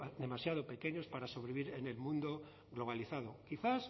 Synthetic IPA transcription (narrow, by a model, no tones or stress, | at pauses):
d̪e̞masjað̞ope̞ke̞ɲo̞spaɾaso̞βɾiβiɾene̞lmũnd̪o̞ | ɣlo̞β̞aliθað̞o̞kiθas